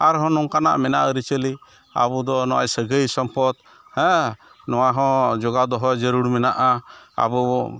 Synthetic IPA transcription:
aɾɦɔ̃nɔŋkana̰ʔmɛnaʔəɾit͡ʃəli | a̰bud̪ɔnɔwa̰jsəɡəjsɔmpɔt̪̚ | hɛ̃ | nɔwaɦɔ̃d͡ʒɔɡad̪ɔɦɔd͡ʒəɾuɽmɛnaʔaa̰bu

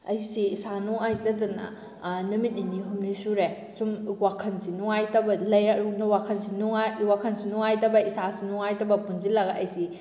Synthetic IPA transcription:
ɐjsiːsanuŋajtɐdunɐ̰ | numit̚niniɦumnisuɾe | sumwakʰɐnsinuŋajtɐbɐlɐjɾɐnwakʰɐnsinuŋawakʰɐnsunuŋajtɐbɐisasunuŋajtɐbɐpunzilaɡɐɐjsi

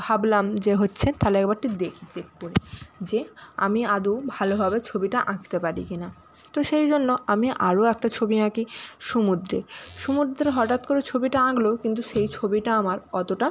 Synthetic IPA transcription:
bʱablamd͡ʑeɦotːɕʰet̪alɛkbaɾʈid̪ekʰi̥t͡ɕekːoɾid͡ʑea̰miad̪ubʱalobʱabet͡ɕʰobiʈaʔãɡt̪epaɾḭkina | t̪oʃejd͡ʑonːoamiʔaɾoɛk̚ʈat͡ɕʰobinãkiʃumud̪ɾḛʃumud̪ɾeɾɦɔʈat̪koɾet͡ɕʰobiʈaãɡlokint̪̬uʃejt͡ɕʰobiʈaamaɾɔt̪oʈa

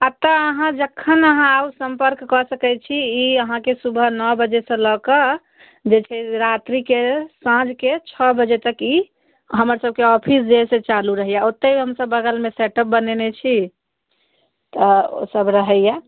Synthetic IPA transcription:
at̪əɦãd͡ʒəkʰːənəɦãausəmpəɾkːɔsəkɛt͡ʃʰiːəɦãkesubʱənɔbəd͡ʒesə̃lɔkə | d͡ʒet͡ʃʰɛɾat̪ɾikesãd͡ʒket͡ʃʰɔbəd͡ʒet̪əki | ɦəməɾsəb̚keɔpʰis̬d͡ʒesẽt͡ʃaluɾəɦijaot̪ːeiɦəmsəbːəɡəlmeseʈəp̚bənenet͡ʃʰi | t̪əo̰səbɾəɦəja

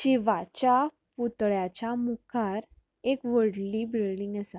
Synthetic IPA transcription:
ɕiʋat͡ɕa | put̪ɭjat͡ɕamukʰaɾ | ekʋəɽliːbilɖĩŋɡəsa

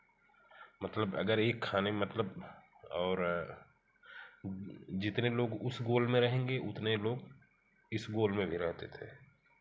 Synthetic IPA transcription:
mɐt̪ləbɐ̰ɡəɾeːkʰːaːnemɐt̪ləb | ɔːɾ | d͡ʒɪt̪neloːɡʊsɡoːlmẽɾɐɦẽːŋɡeʔʊt̪neloːɡ | ɪsɡoːlmẽbʱiɾɛɦt̪et̪ʰḛː

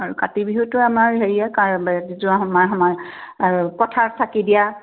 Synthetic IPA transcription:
aɹukatibiɦutʊamaɹɦeɹijakazizuaɦɔmaɹɦamaɹ | kɔtʰaɹsʰakidija

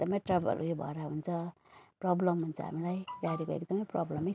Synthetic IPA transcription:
ekd̪ʌmʌjʈrʌbʌ̰lʔujobʱʌ̰ɾaɦunt͡sʰʌ | prɔblʌmːunt͡sʰʌ̰ɦa̰milajɡaɾiekoḛkd̪ʌmʌjprɔblʌmʌ

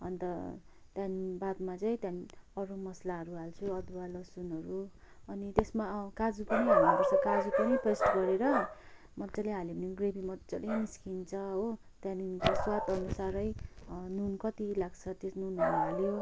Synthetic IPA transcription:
ʌ̰nt̪ʌ | t̪janbad̪mat͡sʌĩt̪janʌɾumʌslaɦʌɾuɦalt͡sʰuʌd̪balʌsunʌɾu | ʌnit̪esmakad͡zupʌnʌjɦamnabʌrt͡sʰʌkad͡zupʌnʌpresʈɡʌɾeɾʌ | mʌd̪d͡zʌleɦaljonoɡrebimʌdd͡zʌleniskint͡sʰʌɦo | t̪jãninkoswat̪ʌnusaɾʌjnunkʌt̪ilaɡt͡sʰʌt̪esnunɦʌɾuɦɦaljo

